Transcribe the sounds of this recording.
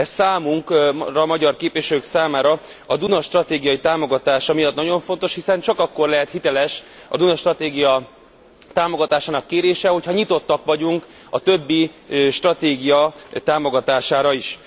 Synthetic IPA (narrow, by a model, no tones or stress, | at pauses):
ɛsaːmuŋkrɒmɒɟɒrkeːpʋiʃɛløːksaːmaːɾɒ | ɒd̪unɒʃt̪rɒt̪eːɡijɒjit̪aːmo̞ɡɒt̪aːʃɒmijɒt̪nɒɟo̞ɱfo̞nt̪o̞ʃhisɛnt͡ʃɒkɒkːo̞rlɛɦɛt̪hit̪ɛlɛʃɒ̰d̪unɒʃt̪rɒt̪eːɡijɒ | t̪aːmo̞ɡɒt̪aːʃaːnɒkːeːɾeːʃɛɦo̞chɒɲit̪o̞t̪ːɒkʋɒɟuŋk | ɒt̪ø̞bːiʃt̪rɒt̪eːɡijɒt̪aːmo̞ɡɒt̪aːʃaːɾɒiʃ